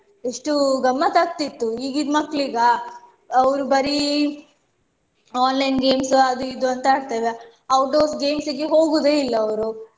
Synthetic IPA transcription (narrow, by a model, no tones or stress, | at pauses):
eʂʈuɡɐmːɐt̪ak̚t̪it̪ːuiːɡid̪mɐkːɭiɡɐː | ʋɾubɐɾi | aːnlɐjnɡe̞ːmsɐd̪uid̪uɐnt̪ɐaːɽt̪ɐʋe | ɐwʈɖoːɾsɡe̞ːmsiɡeɦo̞ːɡuːd̪eːilːɐːʋɾu